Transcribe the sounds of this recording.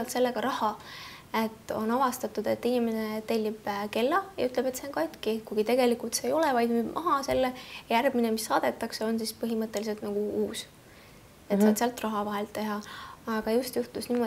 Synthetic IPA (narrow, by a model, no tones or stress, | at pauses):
ɑlt̪se̞lːe̞ɡ̥ɑɾɑhɑ | e̞t̪ːˑo̞̰nɑvɑst̪ɑt̪ud̪̥e̞t̪ːinime̞net̪elʲːib̥ke̞lːɑjɑ̰yt̪ˑlebe̞t̪se̞onkɑjt̪kikujɡit̪e̞ɡ̥e̞likult̪seːjo̞lɛvɑjd̪mubmʔɑ̰ɦɑse̞lːejærb̥minemisːɑːd̪̥e̞t̪ːˑɑkse̞o̞nsispɤɦimɤt̪ːˑe̞lis̬e̞lt̪̚nɑɡ̥uuːs | et̪sɑːt̪seɑlt̪ːˑrɑɦɑvɑɦelt̪ːe̞ɦɑɑɡ̥ɑjust̪juht̪usniːmo